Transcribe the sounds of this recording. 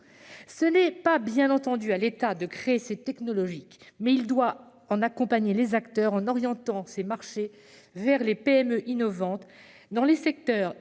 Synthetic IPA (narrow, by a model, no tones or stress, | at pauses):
sənɛpabjɛ̃nɑ̃t̪ɑ̃d̪yalet̪ad̪əkχeesɛt̪ɛknɔlɔʒikmɛild̪wa | ɑ̃nakɔ̃paɲelezakt̪œʁɑ̃nɔʁjɑ̃t̪ɑ̃semaʁʃe | vɛʁlepeɛmøʔinɔvɑ̃t̪ | d̪ɑ̃lesɛk̚t̪œʁ